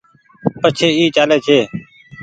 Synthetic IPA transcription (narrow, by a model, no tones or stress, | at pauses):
pət͡ʃʰeːiːt͡ʃaːleːt͡ʃʰeː